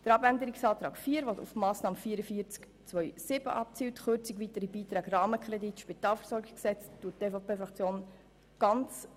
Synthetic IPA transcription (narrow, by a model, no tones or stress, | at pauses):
d̥əɾɑbændəɾiksɑːt̪ɾɑ̰ːkfiːəɾʋɔtṵfmɑːsnɑːməfiːəɾəfiːəɾt͡sk | t͡sʋœʏsɪb̥ə̰ʔɑp̚t͡siːwtχøɾt͡siɡʋitəɾibiːtɾɛːɡrɑːməkχɾɛditːʃpit̪ɑːlfəɾsɔɾɡɪɡksɛt͡stuːətːeːfopeːfɾɑkt͡sjoːn | ɡ̥ɑnt͡s